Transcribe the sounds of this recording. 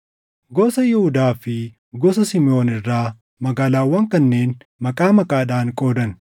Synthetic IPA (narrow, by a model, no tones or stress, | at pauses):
ɡɔsɐjɪhʊd̪aːfɪ | ɡɔs̬ɐsɪmɪʔo̞ːnɪrːaː | mɐɡaːlaːwːɐŋkɐnːe̞ːn | mɐkʼaːmɐkʼaːᶑaːŋkʼo̞ːd̪ɐn